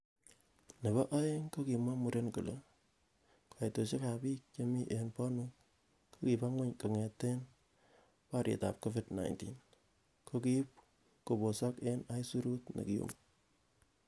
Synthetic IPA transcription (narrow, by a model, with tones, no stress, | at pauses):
ne˨βɔ˦ʔa˦je˦ŋko˦ki˨ma˦mu˨ɾe˦nkṵ˨lo˦ | kʰo˨e˨to˨t͡ʃe˦ka˨piː˦k̚t͡ʃo˦mi˦ʔenpɔ˦ni˦ | kʰo˦ki˨pa˦ŋwe˦ɲko˨ŋɛ˨tːe˦n | pa˦ɾjḛ˨ta̰˨p̚ko˦vi˦dna̰˨jntḭn | ko˦ki˦p̚ | ko˨bo˨sɔ˦ke˦na˦jsu˦ɾu˦tnḛ˨ki˨jo̰˨m